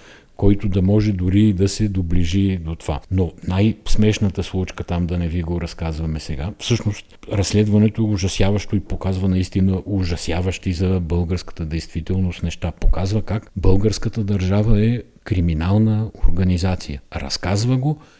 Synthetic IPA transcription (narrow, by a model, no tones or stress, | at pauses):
kɔjt̪od̪ɐmɔʒɛd̪ʊɾiːd̪ɐsɛd̪obliʒid̪ot̪ova̰nonajsmɛʃnət̪əslˠut͡ʃkət̪amd̪ɐnɛviɡoɾɐskazvɐmɛsɛɡafsɤʃnost̪̚ | ɾɐsːlɛd̪vɐnɛt̪oɛʊʒɐsjavɐʃt̪oipokazvɐnɐist̪inəʔoʒɐsjavɐʃt̪izɐbɤlˠɡəɾskə̥t̪əd̪ɛjst̪vit̪ɛlˠnost̪nɛʃt̪apokazvəkakbɤlˠɡəɾskət̪əd̪ɐɾʒavəɛ | kɾiminalˠnəoɾɡɐnizat̪sijəɾɐ̰skazvəɡo